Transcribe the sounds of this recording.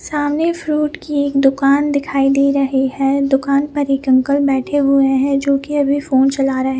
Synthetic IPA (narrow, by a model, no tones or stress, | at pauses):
saːmnefɾuːʈkieːkd̪ʊkaːnd̪ɪkʰaːid̪iːɾɐɦeɦɛ̃d̪ʊkaːnpɐɾɪkə̃ŋkəlbɛːʈʰeɦueɦɛ̃d͡ʒoːkiɐbʱifoːnt͡ʃɐlaːɾɐɦe